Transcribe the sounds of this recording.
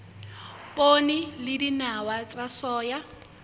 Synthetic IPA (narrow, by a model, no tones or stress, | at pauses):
pʼonilɪdinawat͡sʼasɔːja